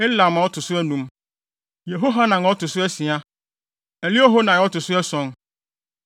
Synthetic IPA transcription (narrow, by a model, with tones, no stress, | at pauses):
e˦la˨mã˨wɔ˦tʰʊ˨sʊ˦ɛ˦nũ˦m | je˨ɦo˦ɦa˦nã˨n˨ɔ˦tʊ˨sʊ˦ɛ˦sĩ˨a˦ | æ˨li˦o˦ɦo˦nã˨ɔ˦tʊ˨sʊ˦ɛ˦sɔ̃˦n